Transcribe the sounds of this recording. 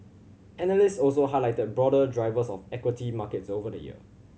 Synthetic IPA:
ɛnəlɪstɔlsoɦaɪlaɪtəd̚bɹɔdədɹaɪvəsɔfɛkwɪtimakɛtsovədə̰jḭə̰

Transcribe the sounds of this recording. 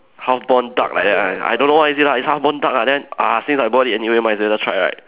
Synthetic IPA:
hafbɔ̃nda̰k̚la̰jk̚dɛt̚aa̰jdõnːowaisilaishafbɔ̃ndak̚ladɛ̃na̰sĩŋsajbɔtiɛniwemaɪsdatʰɹajɹa̰ɪt̚

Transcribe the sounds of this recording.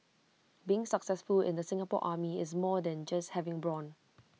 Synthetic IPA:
biɪ̃ŋsəksɛsfʊlɪ̰̃ndəsɪ̃ŋapɔ̰ʔaːmiɪ̰s̬mɔdɛ̃nd͡ʒashɛvɪ̃ŋbɹɔ̃n

